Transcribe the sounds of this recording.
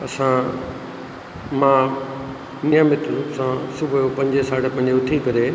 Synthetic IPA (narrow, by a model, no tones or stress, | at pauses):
ɐsã | mãː | nijamɪt̪ɾuːsãsʊbʱjopɐ̃ɲd͡ʑesaːɽepɐ̃ɲd͡ʑeʊt̪ʰikɐɾe